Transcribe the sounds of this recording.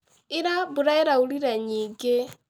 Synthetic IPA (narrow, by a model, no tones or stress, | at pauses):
ɪɾabuɾaeɾauɾiɾaɲiːŋɡe